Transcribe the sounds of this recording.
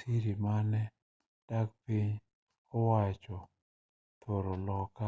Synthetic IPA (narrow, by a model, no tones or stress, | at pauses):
iɾimanɛ | d̥ak̚piɲ | ɔwat͡ʃɔ | t̪ʰoɾolɔka